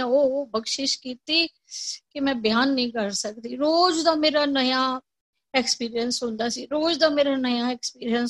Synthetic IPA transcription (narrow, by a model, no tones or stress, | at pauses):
ãoːbəkʃɪʃkiːt̪iː | kɪmɛ̃ːbɪjaːnːĩːkəɾsək̚d̪iːɾoːd͡ʒd̪aːmeːɾaːnəjãː | ɛːkspiːɾijənsɦʊ̃nd̪aːsiːɾoːd͡ʒd̪aːmeːɾaːnəjãːɛːkspiːɾiəns